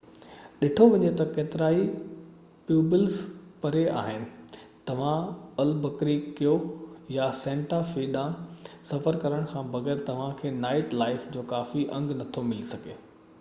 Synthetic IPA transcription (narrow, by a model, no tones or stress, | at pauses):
ɗɪʈʰoʋɐɲet̪ɐkeːt̪ɪɾaːi | pjuːbɪlzpɐɾea̰ːɦɪnɪ̆ | t̪ɐʋ̤ãɐlbɐkɾikijojasɛ̃ːɳʈafiːɗãsɐfəɾkɐɾəɽ̃kʰãːbɐɣɛːɾt̪ɐʋ̤ãkʰeːnaːɪʈlaːɪfd͡ʑoːkaːfiʔɐ̰̃ŋɡnɐt̪ʰomɪlisɐɡʱeː